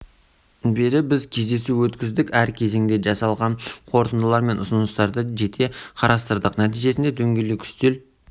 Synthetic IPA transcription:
beɾɪbɪzkʲʰe̞zd̪e̞suwɵt̪kʲɪzd̪ɪkʲæɾkʲʰe̞ze̞ŋd̪e̞ʒɑsɑlˠʁɑnqʰo̞ɾt̪ənd̪əlˠɑɾme̞nʔʊsənəst̪ɑɾd̪əʒe̞t̪ʰe̞qʰɑɾɑst̪əɾd̪əqnæt̪ijʒe̞sɪnd̪e̞d̪ɵŋɡʲelekʲʰʏ̥st̪e̞l

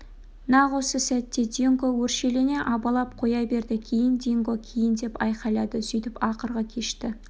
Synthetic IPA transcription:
nɑʁosəsæt̪ːe̞d̪ʲiŋɡowɵɾʃelene̞ʔɑbɑlˠɑp̚qʰo̞jɑbe̞ɾd̪ɪkʲʰejɪnd̪ʲiŋɡokʲʰejɪnd̪e̞pɑjqɑjlˠɑd̪əsʏjt̪ɪpɑqəɾʁɑkʲʰe̞ʃt̪ɪ

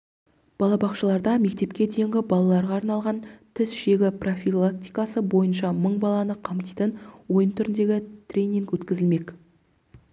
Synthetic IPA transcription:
b̥ɑlˠɑbɑqʃəlˠɑɾd̪ɑme̞k̚t̪e̞pkʲe̞d̪e̞jŋɡʲɪbɑlˠɑlˠɑɾʁɑːɾnɑlˠʁɑnt̪ʰɪsʃe̞ɡʲɪpro̞fʲilˠak̚t̪ʲijkɑsəbo̞jənʃɑməɴbɑlˠɑnəqʰɑmt̪ijt̪ənwo̞jənt̪ʰʏɾɪnd̪e̞ɡʲɪt̪rʲe̞jnʲiŋkwɵt̪kʲɪzɪlme̞k

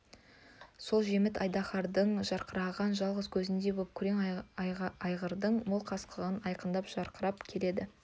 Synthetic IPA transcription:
so̞lˠʒe̞mɪt̪ɑjd̪ɑχɑɾd̪əɴʒɑɾqəɾɑʁɑnʒɑlˠʁəzkʲʰɵzɪnd̪e̞bop̚kʲʰʏɾe̞ŋ | ɑjʁəɾd̪əɴmolˠqʰɑsqʰəʁənɑjqənd̪ɑpʒ̥ɑɾqʰəɾɑpkʲʰe̞le̞d̪ɪ

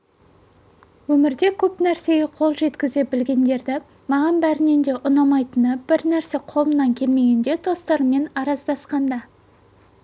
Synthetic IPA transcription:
wɵmɪɾd̪e̞kʲʰɵpnæɾse̞ɡʲe̞qʰo̞lˠʒe̞t̪kʲɪzebɪlɡʲe̞nd̪e̞ɾd̪ɪ | mɑʁɑnbæɾɪne̞nd̪e̞ʔʊnɑmɑjt̪ənəb̥ɪɾnæɾse̞qʰo̞mənɑŋkʲʰe̞lme̞ɡʲe̞nd̪e̞d̪o̞st̪ɑɾme̞nɑɾɑzd̪ɑsqɑnd̪ɑ

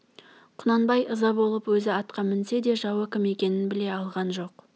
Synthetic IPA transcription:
qʰʊnɑnbɑjʔəzɑbo̞lˠəpwɵzɪɑt̪qɑmɪnse̞d̪e̞ʒɑwəkʲʰɪme̞kʲe̞nɪnbɪle̞ɑlˠʁɑnʒo̞q

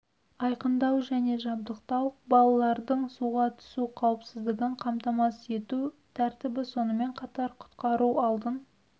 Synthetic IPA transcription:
ɑjqənd̪ɑwʒæne̞ʒɑb̚d̪əq̚t̪ɑwbɑlˠɑlˠɑɾd̪əɴsuʁɑt̪ʰʏ̥suqʰɑwəpsɪzd̪ɪɡʲɪɴqʰɑmt̪ɑmɑse̞t̪ut̪ʰæɾt̪ɪbɪso̞nəme̞ɴqʰɑt̪ɑɾqʰʊ̥t̪qɑɾuɑlˠd̪ən

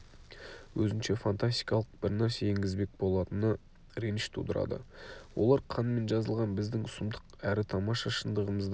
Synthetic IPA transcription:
wɵzɪnʃe̞fant̪ast̪ʲijkɑlˠəq̚bɪɾnæɾseeŋɡʲɪzbe̞k̚bo̞lˠɑt̪ənə | ɾenʃt̪ʰṵd̪əɾɑ̰d̪ə̰wʔolˠɑɾqʰɑnme̞nʒɑzəlˠʁɑnbɪzd̪ɪŋʊsʊmd̪əqæɾɪt̪ʰɑmɑʃɑʃənd̪əʁəməzd̪

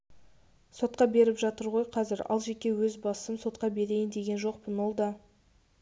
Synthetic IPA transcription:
so̞t̪̚qɑbe̞ɾɪpʒɑt̪əɾʁo̞jqʰɑzɪɾɑ̰lˠʒe̞kʲe̞wɵzbɑssəmso̞t̪̚qɑbe̞ɾe̞jɪnd̪e̞ɡʲe̞nʒo̞q̚pənwo̞lˠd̪ɑ

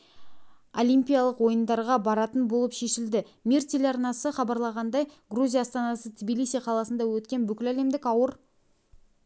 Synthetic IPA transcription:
o̞lijmpʲijɑlˠəqwo̞jənd̪ɑɾʁɑbɑɾɑt̪ənbo̞lˠəpʃe̞ʃɪld̪ɪ | mʲert̪ʰelʲɑrnɑsəχɑbɑɾlˠɑʁɑnd̪ɑjɡruzʲijaːst̪ɑnɑsət̪ʰʲbʲilʲˠijsʲijqʰɑlˠɑsənd̪ɑwɵt̪̚kʲe̞nbʏkʲɪlæle̞md̪ɪkɑwəɾ

